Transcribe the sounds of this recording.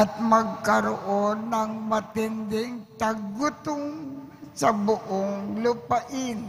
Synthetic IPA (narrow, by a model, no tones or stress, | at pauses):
at̪̚mɐɡ̚kɐɾoʔonːɐŋmɐt̪ɪnd̪ɪŋt̪aɡʊt̪ʊŋ | sɐbʊʔoŋlʊpaʔɪn